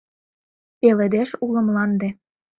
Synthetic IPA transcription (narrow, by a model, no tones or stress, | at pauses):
elĕd̪eʃulɤ̆mlɑnd̪ĕ